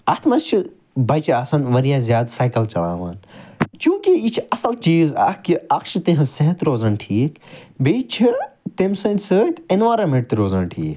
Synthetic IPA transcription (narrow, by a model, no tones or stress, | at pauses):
ɐt̪ʰmɐzt͡ʃʰu | bɐt͡ʃʰiaːsɐnʋɐɾijãːzjaːd̪saːjkɐlt͡ʃɐla̰ːʋaːnt͡ʃjũːkiit͡ʃʰɐsɐlt͡ʃiːza̰hkiɐkʃt̪ẽɦɐseɦɐt̪ɾoːzɐnʈʰiːkbejt͡ʃʰit̪emsɐnt̪ʲsəːt̪enʋaːɾɐmẽʈ̚t̪iɾoːzɐnʈʰiːk